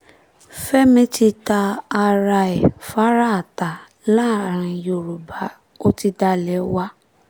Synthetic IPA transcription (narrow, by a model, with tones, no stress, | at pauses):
fɛ˦mĩ˦ti˧ta˧a˧ɾa˧ɛ˨fa˦ɾa˦a˨ta˨ | la˦˨ɾ̃ã˧jo˨ɾu˨ba˨˦ | o˦ti˧da˧˦lɛ˨˦wa˦